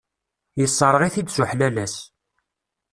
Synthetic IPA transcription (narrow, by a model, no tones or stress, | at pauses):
jəsˤːəɾˤəʁiθid̪sʊħlælæs